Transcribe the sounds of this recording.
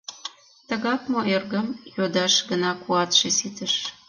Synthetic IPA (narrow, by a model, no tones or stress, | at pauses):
t̪əɣɑkmoʔerɣəmjod̪ɑʃɡənɑkuɑt̪ʃesit̪əʃ